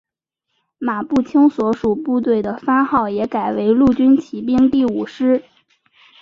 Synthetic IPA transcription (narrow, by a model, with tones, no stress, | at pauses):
ma˨˩pu˥˩t͡ɕʰi˥ŋswɔ˧˥ʂu˨˩pu˥˧t̪̬we˥˩ɪd̪ə˩fa˥xɑ˥˩ʊjɛ˧˥ka˨˩ɪwe˧˥ɪlu˥˩t͡ɕy˥nt͡ɕʰi˧˥p̬i˥˧ŋt̪i˥˩u˨˩ʂɻ̩˥